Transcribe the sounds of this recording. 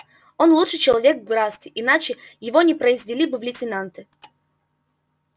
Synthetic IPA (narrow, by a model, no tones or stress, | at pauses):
o̞nlˠutʂɨt͡ɕɪlˠɐvʲekvɡɾast̪ʲɪʔɪnat͡ɕɪjɪvonʲɪpɾəɪzvʲɪlʲibɨvlʲɪtʲɪnant̪ɨ